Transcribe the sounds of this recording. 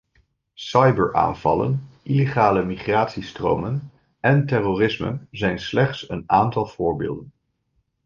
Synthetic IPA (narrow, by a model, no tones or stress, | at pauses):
sɑjbəɹʔa̰ːnvɑ̰lə̰nʔileχaːləmiχraːtsistro̰wmən | ʔɛntɛrorɪsmə̰zɛjnslɛχtsənaːntɑlˠv̥ʊːɹbḛːlˠdən